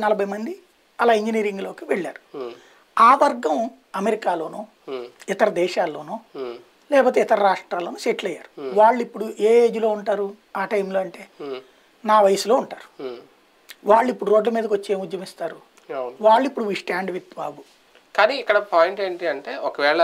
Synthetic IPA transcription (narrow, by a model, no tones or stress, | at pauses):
nɐlɐbʱɐjmɐnd̪i | ɐlaːiɲd͡ʒiniːɾiŋɡlo̞ːkiʋɛɭːa̰ːɾu | aːʋɐɾɡɐm | ɐmeɾikaːlo̞ːnuː | it̪ɐɾɐd̪ɛːʃaːlːo̞ːnuː | lɛːpoːt̪̬eːit̪ɐɾɐɾaːʂʈɾaːlːo̞ːnuʃeʈlɐjːa̰ːɾuʋaːɭːuipːuɽuʔeːeːd͡ʒulo̞ːuɳʈaːɾu | aːʈɐjmloːɐɳʈe̞ː | naːʋɐjɐsulo̞ːuɳʈaːɾu̥ | ʋaːɭːuipːuɽuɾo̞ːɖlɐmiːd̪ɐkʋot͡ʃːieːmud̪jɐmist̪aːɾu | nʋaːɭːuipːuɽuʋiʂʈaːɳɖʋit̪baːbu | kaːniːkːɐɽɐpaːjɳʈe̞ːɳʈiɐɳʈeːʔɔkɐʋɛːɭɐ